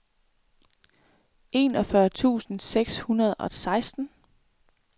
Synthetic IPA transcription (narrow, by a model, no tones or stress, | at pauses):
ʔe̝̰ːnɒ̽fɶɐt͡sʰṵːsn̩seɡ̥shunɐð̞ˠɒ̽sɑ̈ɪsd̥n̩